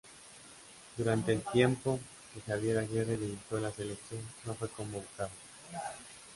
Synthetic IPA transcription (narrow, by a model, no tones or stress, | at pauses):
d̪uɾant̪e̞ːlt̪je̞mpo̞ | kesaβjeɾaʝeɾreleβit̪olase̞leksjo̞nːo̞fwe̞ko̞mboβukað